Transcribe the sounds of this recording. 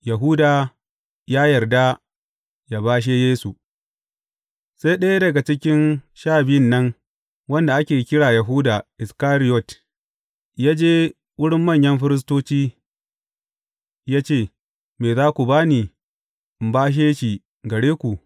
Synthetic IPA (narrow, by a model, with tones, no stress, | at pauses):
ja˨ɦuː˦daː˨ | jaː˦jɐ˨rda˦ | jaː˨baː˦ʃ̬eː˦jeː˦su˨ | sa˦jɗɐ˦ja˦dɐ˨ɡa˨t͡ʃɪ˦kʲɪ˦nʃaː˦˨bɪ˦jɪ˦˨nːɐ˦ŋ | wɐ˦nda˨ʔa˦kʲeː˨kʲɪ˦ɽaː˨jɐ˨ɦu˦da˨ʔɪ˨skaː˦ɾɪ˦jɔ˦˨t | jaː˦d͡ʒeː˦ | wʊ˦ɽɪ˦mːɐ˦˨ɲjɐ˦mɸɪ˦ɾɪ˦s̬toː˦t͡ʃiː˦ | jaː˦t͡ʃeː˦˨ | meː˨zaː˦kʷu˨baː˦niː˨ | ʔɪ˨mbaː˦ʃ̬eː˦ʃi˨ | ɡɐ˨ɽeː˦kʷu˨